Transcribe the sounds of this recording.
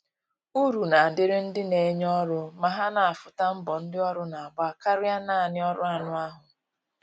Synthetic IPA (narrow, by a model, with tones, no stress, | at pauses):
u˦ɾu˨na˨dɪ˦ɾɪ˦n̩˦dɪ˦ne˨˦ɲ˦ɔ˦ɾʊ˦ma˨ɦa˦na˨a˨fʊ˨ta˦m̩˦bɔ˨n̩˦dɪ˦ɔ˦ɾʊ˦na˨a˨ba˦ka˦ɾʊ˦ja˦na˦˨nɪ˦ɔ˦ɾʊ˦a˦nʊ˦a˦ɦʊ˨